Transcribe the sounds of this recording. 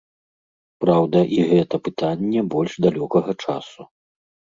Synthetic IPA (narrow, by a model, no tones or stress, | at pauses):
pɾawd̪ɐʔiɣɛt̪ɐpɨt̪anʲːɛbɔlʲʐd̪alʲɔkɐɣɐt͡ʂa̰su